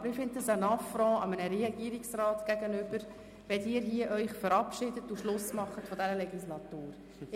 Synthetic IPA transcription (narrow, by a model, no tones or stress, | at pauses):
bəɾɪfɪnd̪dəsənɑfɾɔ̃ːʔɑmənəɾɛɡ̥iːɾiksrɑːtɡ̥æɡənʏb̥əɾ | vɛtiːɾhiːəʔœʏχfəɾɑpʃɪdətːuʃlʊsmɑχːətfɔdɛɾəlɛɡislɑtuːɾ